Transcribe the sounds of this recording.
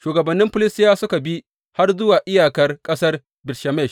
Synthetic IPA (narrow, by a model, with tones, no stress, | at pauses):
ʃuː˨ɡɐ˨bɐ˨nːɪ˦mɸʊ˦lɪ˦stɪ˦jaː˦sʊ˦ka˨bi˦ | ha˦rzʊ˦waː˨ʔɪ˦jaː˨kɐ˦rkʼɐ˦sɐ˦r | bɪ˨rʃa˨mɛ˦˨ʃ